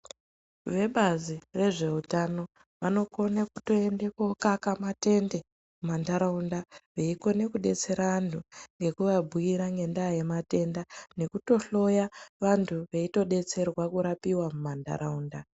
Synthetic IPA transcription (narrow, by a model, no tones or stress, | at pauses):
ʋe̞ɓazire̞ʐe̞utano̞ | ʋano̞ko̞naku̥to̞endeko̞kakamate̞nde̞ | mumandaɾaundaʋeiko̞ne̞kuɗe̞t͡se̞ɾaantʰuŋɡe̞kuʋabʱuiɾaŋɡe̞ndajemate̞ndane̞kuto̞ɬo̞jaʋantʰuʋe̞ito̞ɗe̞t͡se̞rwakuɾapiwamumanda̰ɾauːnda